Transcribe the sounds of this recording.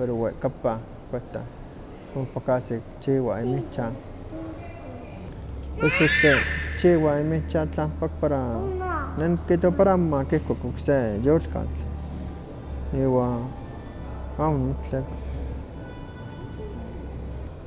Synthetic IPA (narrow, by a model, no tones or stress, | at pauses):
peɾoweʔkapa | kʷeht̪a̰ | kopakasikt͡ʃiwaimit͡ʃan | pesost̪ekt͡ʃiwaimit͡ʃat͡ɬampak̚paɾa | nenkiʔt̪wapaɾamakihkʷakoksejolka̰t͡ɬ | iwaː | amunmot͡ɬek